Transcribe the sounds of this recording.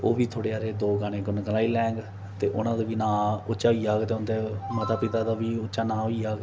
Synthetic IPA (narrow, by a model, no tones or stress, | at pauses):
oːʋiːt̪ʰoːɽeːaːɾeːd̪oːɡaːneːɡʊnɡəlaːiːlɛ̃ːŋɡ | t̪eːʔʊnãːd̪eːʋiːnãːʊtːʃaːɦoiːaːɡt̪eːʊnd̪eːmət̪aːpɪt̪aːd̪aːʋiːʊtːʃaːnãːɦoiːaːɡ